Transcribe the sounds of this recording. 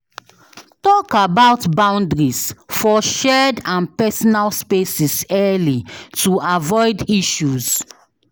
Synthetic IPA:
tɔkabaʊtbãʊ̃ndɹisfɔʃɛdãnpɛsɔnalspesisɛlituavɔɪdiʃuz

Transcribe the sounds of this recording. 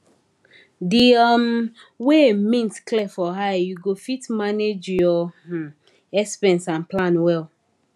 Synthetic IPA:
diɔm | wemĩntklɛfɔɦajjuɡofitmaned͡ʒjɔ | ɛspɛ̃nsãnplãnwɛl

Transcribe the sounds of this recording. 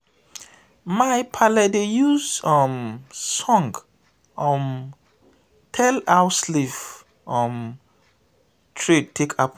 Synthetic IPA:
majpʰalɛdejuzɔmsɔ̃ŋɡ | ɔm | tʰɛlawsliv | ɔ̃m | tʰɹed̚tʰekʰap

